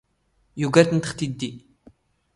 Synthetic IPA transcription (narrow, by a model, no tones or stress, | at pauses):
juɡɐt̪nt̪ə̥χt̪id̪ːi